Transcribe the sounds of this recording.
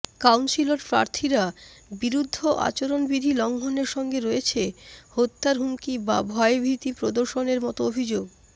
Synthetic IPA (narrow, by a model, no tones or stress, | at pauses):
kawnsiloɾpɾa̰ɾt̪ʰiɾabiɾud̪ʱːoʔa̰t͡ɕoɾonbid̪ʱilɔŋɡʱoneɾʃɔŋɡeɾojet͡ɕʰehot̪ːaɾɦumkibabʱɔebʱit̪ipɾod̪oɾʃoneɾmɔt̪oobʱid͡ʑoɡ